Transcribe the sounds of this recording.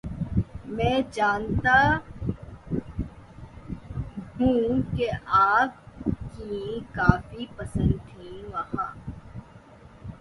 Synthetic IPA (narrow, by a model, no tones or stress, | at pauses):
mɛ̃ːd͡ʒaːnt̪a | ɦũːkeʔaːp̚kikaːfipəsə̃nd̪ʰĩːʋaɦaː